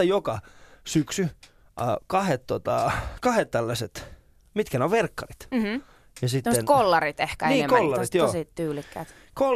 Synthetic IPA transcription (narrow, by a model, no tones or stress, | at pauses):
ɑjokɑsyksy̰ | kɑhet̪t̪ot̪ɑkɑhet̪t̪ælːæset̪ | mit̪kæneoʋʋerkːɑrit̪ | jɑsit̪ːenkolːɑrit̪ehkæeniiːkoollːɑrit̪joːsit̪t̪yːlikːæ̰ːt̪ | ko